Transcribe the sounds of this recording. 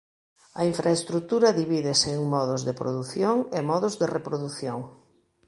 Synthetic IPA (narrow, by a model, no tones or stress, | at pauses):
ɐiɱfɾaest̪ɾut̪uɾɐðiβiðɪseŋmɔðʊzðepɾoðuθjoŋemɔðʊzðerepɾoðuθjoŋ